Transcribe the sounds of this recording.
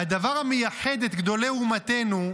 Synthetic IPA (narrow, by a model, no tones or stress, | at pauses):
had̪avaʁhamejaħed̪et̪ɡd̪o̞le̞umat̪e̞nu